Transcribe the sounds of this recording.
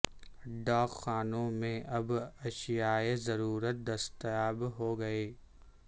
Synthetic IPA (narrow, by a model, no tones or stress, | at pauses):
ɖaːkxaːnõmẽɐbɐʃɪjaːezɐɾuːɾət̪̚d̪ɐst̪jaːbɦoɡɐeː